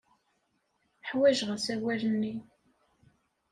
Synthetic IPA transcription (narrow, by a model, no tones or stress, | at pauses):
ħwæʒʁəsæwælənːi